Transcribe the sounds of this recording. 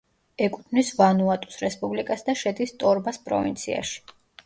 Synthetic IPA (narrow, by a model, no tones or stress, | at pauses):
ɛkʼut̪ʰnisvanuat̪ʼu̥sɾɛspʼublikʼasd̪aʃɛd̪ist̪ʼɔɾbaspʼɾɔ̰vḭnt̪sʰḭa̰ʃi̥